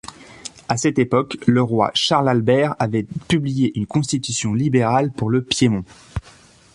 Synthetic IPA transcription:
asɛt̪epɔkləʁwa̰ʃaʁlalbɛʁavɛpyblijeʔynkɔ̃st̪it̪ysjɔ̃libeʁalpuʁləpjemɔ̃

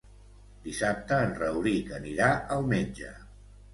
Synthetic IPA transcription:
d̪isap̚t̪əːnrəwɾikəniɾaʔəlˠmeɲʲd͡ʒə

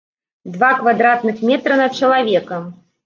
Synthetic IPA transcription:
d̪vakvad̪ɾat̪nɨxmʲɛt̪ɾɐnɐt̪̚t͡ʂɐlˠavʲɛkɐm

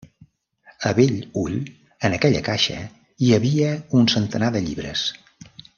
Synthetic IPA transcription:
əβeʎuʎ | ənəkɛʎə̰kaʃə̰ | iəβiəunsənt̪ənaðəʎiβɾə̰s

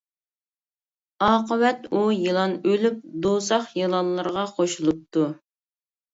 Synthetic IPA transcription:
ɑːqəwɛt̪ujilˠɑnølyp̚d̪osɑχjɨlˠɑnlˠɨɾʁɑqʰoʃulˠup̚t̪ʰu

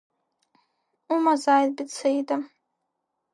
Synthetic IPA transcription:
umazaːjd̚bɪt͡sʰejda

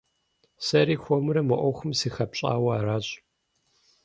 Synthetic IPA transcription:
sɐɾiːxʷɔmɨɾɐmɐʔʷɔwxʷʊmsiːxɐpɕʼa̰ːwɐaɾaːɕʼ

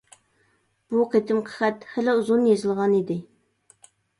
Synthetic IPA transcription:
b̥uqʰet̪ʰɪmqʰə̥χɛt̪χælɪuzunjezɪlˠʁɑnid̪ɪ

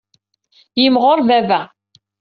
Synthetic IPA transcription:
jimʁoɾˤvævæ

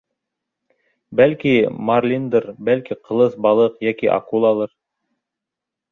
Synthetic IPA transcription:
bælkimarlʲind̪ɤɾbælkiqʰɤ̆lˠɤθbɑlˠɤqjækiʔɑ̰kulˠɑlˠɤɾ

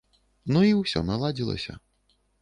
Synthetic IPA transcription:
nuiwsʲɔ̰nalˠad͡zʲilˠɐ̰sʲɐ̰

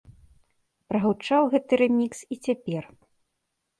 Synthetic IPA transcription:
pɾɐɣɐwt͡ʂawɣɛt̪ɨɾɨmʲiksit͡sʲapʲɛr

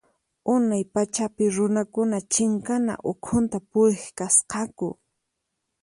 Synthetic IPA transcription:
ʊnajpat͡ʃapɪɾʊnakʊnat͡ʃɪŋkana̰ʔʊkʰʊnt̪apʊɾɪχkasqɑkʊ̰

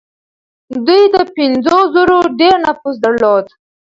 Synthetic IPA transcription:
d̪ujd̪əpɪnd͡zozoɾoɖeɾnapus̬d̪aɽlod̪

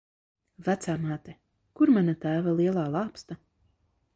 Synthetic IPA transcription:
væt̪saːmaːt̪ɛ | kuɾmanat̪æːvalˠiɛlˠaːlˠɑːpst̪a

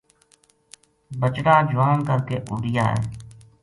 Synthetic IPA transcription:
bət͡ʃɾaːd͡ʒʊʋaːnkəɾkeːʔuːɽɪja̰ːɦɛ̰ː

